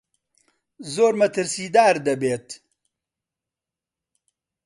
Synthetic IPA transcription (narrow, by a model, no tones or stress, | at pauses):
zoːɾmɐt̪əɾsiːd̪aːɾd̪ɐbeːt̪